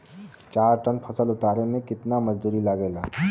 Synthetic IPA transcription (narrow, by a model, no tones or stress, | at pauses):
t͡ʃaːɾʈənpʰɐsəlʊt̪aːɾemẽkɪt̪namɐd͡ʒd̪uːɾilaɡeːlaː